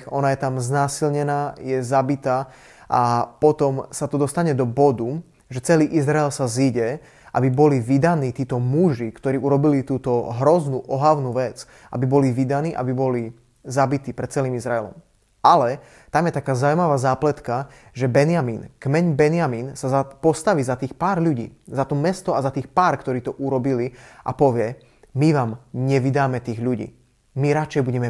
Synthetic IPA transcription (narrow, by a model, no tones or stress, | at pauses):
ɔnajɛt̪amznaːsilɲɛnaːjɛzabit̪aː | ʔapɔt̪ɔmsat̪ɔd̪ɔst̪aɲɛd̪ɔbɔd̪u | ʒɛt͡sɛliːʔizɾaɛlsaziɟɛ | ʔa̰bibɔliʋid̪aniːt̪iːt̪ɔmuʒikt̪ɔɾiːuɾɔbilit̪uːt̪ɔɦɾɔznuʔɔɦaʊnuːʋɛt͡s | ʔa̰bibɔliʋid̪aniːʔa̰bibɔli | zabit̪iːpɾɛt̪̚t͡sɛliːmizɾaɛlɔ̰m | ʔalɛ | t̪amjɛt̪akaːzaʊmaʋaːzaːplɛt̪kaʒɛbɛnɪamiːnkmɛɲbɛnɪamiːnsazapɔst̪aʋiːzat̪iːxpaːɾʎuɟḭːzat̪ɔmɛst̪ɔazat̪iːxpaːɾkt̪ɔɾiːt̪ɔʔuɾɔbiliʔa̰pɔʋɪɛ | miʋaːmɲɛʋid̪aːmɛt̪iːɣʎuɟḭː | miɾat͡ʃɛjbuɟɛmɛ